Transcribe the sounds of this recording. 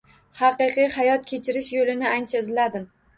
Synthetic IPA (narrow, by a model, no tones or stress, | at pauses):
hɑqɨqɨjhɑjɒt̪̚kʲʰe̞t͡ʃʰɪɾɪʃjolɪnɪant͡ʃʰaɪzlad̪ɪm